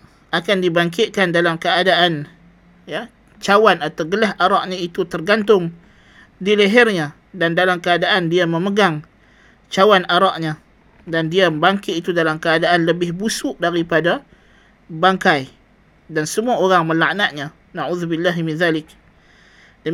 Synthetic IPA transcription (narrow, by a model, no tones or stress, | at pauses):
akandibaŋk̬ɪʔ̪̚kandalamkəadaʔan | ja | t͡ʃawanat̪awɡəlaɦʔaɾɑʔɲait̪ut̪ərɡant̪̬ʊŋ | diləɦɪrɲa | dandalamkəadaʔandiaməməɡaŋ | t͡ʃawanʔaɾɑʔɲa | dandiabaŋkɪʔit̪udalamkəadaʔanləbɪhbusʊʔdaɾipada | baŋkaj | dansəmuaoɾaŋməlaʔnaʔɲa | naʕuːðubɪlːaɦmɪnðalɪk̚ | də